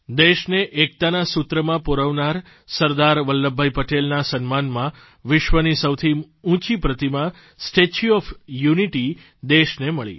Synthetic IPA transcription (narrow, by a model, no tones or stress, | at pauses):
d̪eʃneʔek̚t̪anasut̪ɾəmãpoɾəʋnaɾ | səɾd̪aɾʋəlːəbʱːajpəʈelnasənmanmã | ʋɪʃʋənisəwt̪ʰi | ũt͡ʃipɾət̪imã | sʈet͡ʃuɔfjuniʈi | d̪eʃneməɭḭ